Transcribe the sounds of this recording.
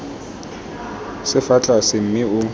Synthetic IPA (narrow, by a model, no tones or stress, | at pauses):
sɪfat͡ɬʼasɪm̩mɪʊ